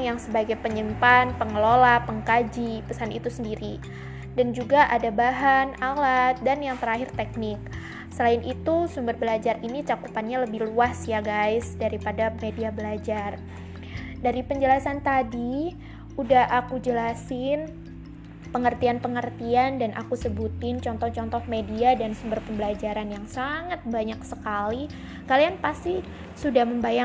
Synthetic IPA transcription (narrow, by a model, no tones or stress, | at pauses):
ŋjaŋsəbaɡajpəɲəmpanpəŋəlolapəŋkad͡ʒipəsanit̪usəndiɾi | dand͡ʒuɡaʔadabaɦanalat̪̚danjaŋt̪əɾaɦɪrt̪ɛk̚nɪk̚ | səlaɪnit̪usumbərbəlad͡ʒarinit͡ʃakupanɲaləbɪhluasjaɡajsdaɾipadamediabəlad͡ʒar | daɾipəɲd͡ʒəlasant̪adi | udahakud͡ʒəlasɪn | pəŋərt̪ianpəŋərt̪iandanʔa̰kusəbut̪ɪnt͡ʃɔnt̪ɔht͡ʃɔnt̪ɔhmediadansumbərpəmbəlad͡ʒaɾanjaŋsaŋat̪̚baɲak̚səkali | kalianpast̪i | sudahməmbaja